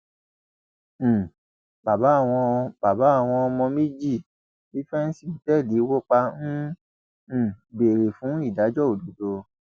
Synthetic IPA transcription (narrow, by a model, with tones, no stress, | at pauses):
ba˨ba˨˦a˦˨w̃ɔ̃˧b̥a˨ba˨˦a˦˨w̃ɔ̃˧ɔ˧mɔ̃˧me˦d͡ʒi˦˨ | i˦fɛ˦n̩˦si˦˨tɛ˦˨li˨˦wo˦k͡pa˧nũ˦˨ | be˨ɾe˨fũ˨˦i˦˨da˨˦d͡ʒɔ˦o˨do˨˦do˧